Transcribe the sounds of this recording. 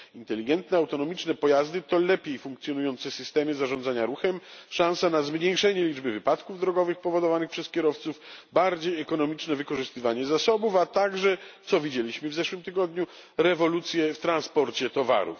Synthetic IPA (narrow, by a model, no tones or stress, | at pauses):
int̪ɛlʲiɡɛnt̪nɛawt̪ɔnɔmʲit͡ʂnɛpɔjazd̪ɘt̪ɔlɛpʲjejfũŋkt̪sʲjɔnujɔnt̪sɛsɘst̪ɛmɘzaʐɔ̃nd̪zaɲaɾuxɛmʂãñsanazmɲejʂɛɲɛlʲid͡ʐbɘvɘpat̪kuvd̪ɾɔɡɔvɘxpɔvɔd̪ɔvanɨxpʂɛskʲɛɾɔft̪sufbaɾd͡ʑejɛkɔnɔmʲit͡ʂnɛvɘkɔʐɨst̪ɘvaɲɛzasɔbufat̪aɡʐɛt̪sɔvʲid͡ʑelʲiɕmɘvzɛʂwɘmt̪ɘɡɔd̪ɲu | ɾɛvɔlut̪sʲjɛft̪ɾanspɔɾt͡ɕɛt̪ɔva̰ɾṵf